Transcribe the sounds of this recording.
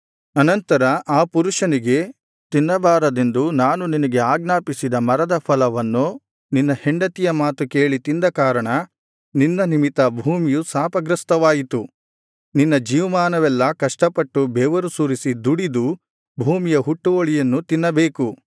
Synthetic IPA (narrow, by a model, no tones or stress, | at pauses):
ɐnɐnt̪ɐɾɐʔaːpuɾuʂɐniɡe̞ | t̪inːɐbaːɾɐd̪e̞nd̪unaːnuninɐɡe̞aːɡnaːpisid̪ɐmɐɾɐd̪ɐpʰɐlɐʋɐnːu | ninːɐheɳɖɐt̪ijɐmaːt̪uke̞ːɭit̪ind̪ɐkaːɾɐɳɐ | ninːɐnimit̪ɐbʱuːmijusaːpɐɡɾɐst̪ɐʋaːjit̪u | ninːɐd͡ʒiːʋmaːnɐʋɛlːɐkɐʂʈɐpɐʈːubɛːʋɐɾusuːɾisid̪uɽid̪u | bʱuːmijɐɦuʈːuoɭijɐnːut̪inːɐbeːku